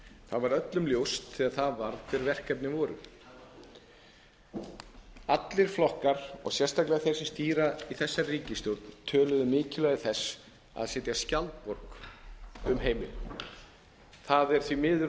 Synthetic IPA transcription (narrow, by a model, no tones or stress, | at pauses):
θaðvaɾœt̪lʏmljowst̪θɛːɣaðθaðvaɾðfɪɾvɛr̥kɛp̚nɪvɔːɾʏ̰ | at̪lɪɾ̥flɔhkaɾ̥ɔ̰ɣsjɛrst̪aklɛɣaθejɾ̥sɪst̪iːɾaiθɛsːariːcɪst̪jowɾt̪nt̪ʰœːlʏðʏmɪːcɪlœɣɪθɛs | a̰ðsɛːt̪jascalt̪̚pɔɾ̥k | ʏmɦeːjmɪ̰l | θaðɛɾ̥θvimɪðʏ